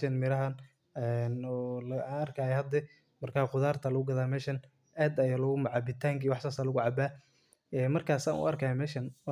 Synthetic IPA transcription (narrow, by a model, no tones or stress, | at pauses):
ʃɐnmɪɾɐɦɐn | ɛnɔlaːnɐrkʰaːjɛhɐd̪ɛ | mɐrkʰaːqʊðaːrt̪ʰɐlɐɣʊɡɐðaːmɛːʃɐn | ʔaːd̪ɐjalʊɣʊmʊʕɑbɪt̪ʰaːŋkʰiːwɑħsaːsaːlʊɣʊʕɑbaː | ɛmɐrkʰaːsa̰ːnʔʊ̰ɐrkʰaːjɛmɛːʃɐn